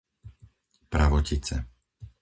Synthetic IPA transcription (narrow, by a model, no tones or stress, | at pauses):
pɾaʋɔcit͡sɛ